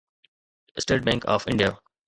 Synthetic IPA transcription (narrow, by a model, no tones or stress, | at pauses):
sʈeːʈ̚bɛ̃ŋka̰ːfɪ̰̃ɳɖijaː